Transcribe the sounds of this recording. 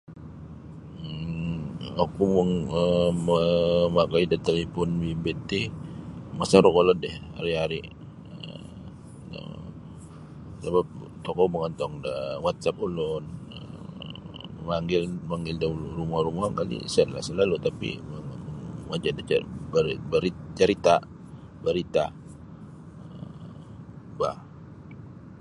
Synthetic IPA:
akuməŋəməmakaidat̪elipɔnwimbet̪i | masaɾɔkolɔndɛha̰ɾiɦaɾi | əə̰ | a̰ | sabap̚ | t̪ɔkɔməŋɔnt̪ɔŋdawat̪̚sap̚ulʊnə̰ | əmaŋɡɪlmaŋɡɪldaulurumahɾumuɦaŋkalḭsɛnla̰hsəlalut̪apḭəmad͡ʒadabbəɾit͡ʃəɾit̪a | bəɾit̪a | ə | ba̰h

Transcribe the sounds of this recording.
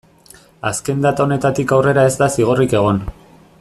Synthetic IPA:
aske̞nd̪at̪ao̞ne̞t̪at̪ikawre̞ɾae̞zd̪asiɣ̞o̞rike̞ɣ̞o̞n

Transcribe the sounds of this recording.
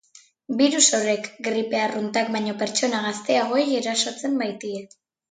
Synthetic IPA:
biɾuso̞ɾe̞kɡɾipe̞arunt̪ak̚bajɲo̞pe̞ɾt͡ʃo̞naɣ̞ast̪e̞aɣ̞o̞ejeɾaso̞t͡se̞mbajt̪ie

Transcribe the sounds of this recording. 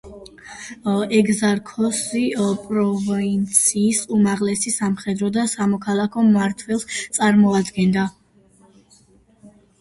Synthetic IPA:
ɛɡzaɾkʰɔsipʼɾɔvɔint̪sʰiːsumaʁlɛsisamχɛd̪ɾɔd̪asamɔkʰalˠakʰɔmaɾt̪ʰwɛlˠst̪sʼaɾmɔad̪ɡɛnd̪a

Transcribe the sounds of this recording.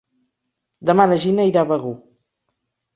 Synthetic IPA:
d̪əmanəʒinaiɾaβəɣu

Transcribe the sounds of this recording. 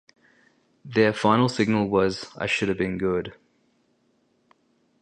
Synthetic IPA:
ðə˞fãɪ̃nl̩ˠsɪɡ̚nl̩ˠwʌza̰ɪʃʊɾɨvbɨ̃nɡʊd̥

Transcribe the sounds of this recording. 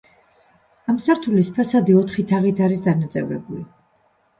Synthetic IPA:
amsaɾt̪ʰulispʰɛsad̪iɔt̪ʰχit̪ʰaʁit̪ʰaɾisd̪anat̪sʼɛ̰vɾɛ̰buli

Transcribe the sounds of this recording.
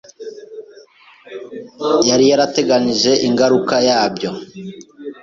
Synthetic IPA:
jaɾijaɾate̞ɡaniʒe̞ʔiŋɡaɾukajaːbjo̞

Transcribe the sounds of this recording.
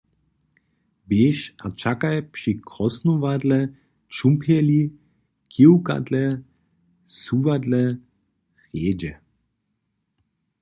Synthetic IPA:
beːʃat͡ʃakajpʃikʁɔsnovadlɛ | t͡ʃumpʰjɛli | kiwka̰dlɛ | suːvadlɛ | ʁeːd͡ʒɛ

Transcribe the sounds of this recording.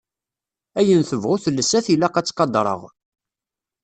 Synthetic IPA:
æjənθəvʁuθəlːəsæθilæqæt͡sːqɑd̪ˤɾˤə̰ʁ

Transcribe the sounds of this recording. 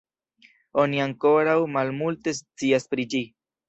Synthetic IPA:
o̞niaŋko̞ɾawmalmulte̞s̬t͡siaspɾid͡ʒi

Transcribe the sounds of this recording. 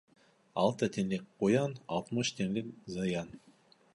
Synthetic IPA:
ɑ̰lˠt̪ət̪ʰenlek̚ʲqojɑnɑ̰lˠt̪mɯʃt̪ʰeŋlekzɑjɑn

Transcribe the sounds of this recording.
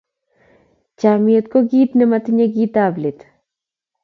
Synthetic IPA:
t͡ʃamiet̪koɡit̪nɛmat̪ɪɲaɡit̪ablɪt̪

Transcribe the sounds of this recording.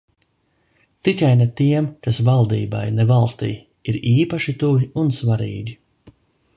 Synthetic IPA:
t̪ikajnet̪iɛmkasvalˠd̪ḭːba̰jnɛvalˠst̪ḭː | iɾiːpaʃit̪uviunsvaɾḭːɡʲi

